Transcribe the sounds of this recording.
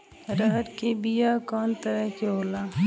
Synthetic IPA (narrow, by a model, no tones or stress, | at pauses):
ɾəɦəɾkebijakɔːnt̪əɾəɦkeɦoːla